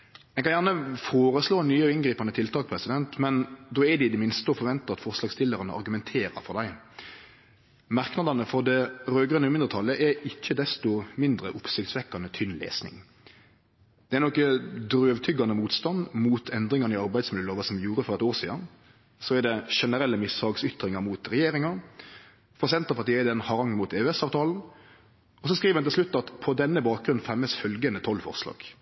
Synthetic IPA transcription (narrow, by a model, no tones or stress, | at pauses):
ɛkʰɑnjæʁnəfoːɾəsloːnyːɪnɡɾiːpɑnət̪ʰɪlt̪ʰɑːkpʰɾɛsɪd̪ɛnt̪mɛnd̪ɔɛd̪ɛɪd̪ɛmɪnst̪əɔfɔɾʋɛnt̪əɑt̪fɔʁslɑːɡst̪ʰɪlːəɾənə̰ɑ̰ɾɡʉmɛnt̪ʰeːɾəfɔd̪æɪ | mɑʁknɑd̪ɑnəfɔɾd̪ɛɾøːɡʁənəmɪnd̪ɾət̪ʰɑlːəʔɛɪçːəd̪ɛst̪ɔmɪnd̪ɾəʔʊpsɪkt̪sʋɛkːɑnət̪ʰʏnlḛːsnɪ̰ŋ | d̪̥ɛɛɾnɔkːəd̪ɾøːʋt̪ʰʏɡːɑnəmuːt̪st̪ɑnmuːt̪ʰɛnd̪ɾɪŋɑnəɪɑɾbæɪd̪smɪləloːʋɑsɔmjuːɾəfɔɾɛt̪oːʁsḭːd̪ɑn | sɔæd̪ɛʂɛnəɾɛlːəmɪsɑːɡsʏt̪ɾɪŋɑɾmuːt̪ɾɛjeːɾɪŋɑ | fɔʁsɛnt̪əpɑt̪iːəɪd̪ɛnhɑɾɑŋmʊt̪ɛːʉɛsɑːʋt̪ʰɑːln̩ | ɔsɔskɾiːʋəɛnɪlʃlʉt̪ːɑt̪pʰɔd̪ɛnːəbɑːk̚ɡɾʉnfɛmɛsfœlɡənət̪ʰɔlːfɔ̰ʁslɑ̰ːɡ̥